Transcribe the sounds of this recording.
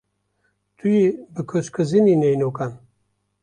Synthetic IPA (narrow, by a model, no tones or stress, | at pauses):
t̪ʰujibɨkʰøʃkʰɨzininejnokan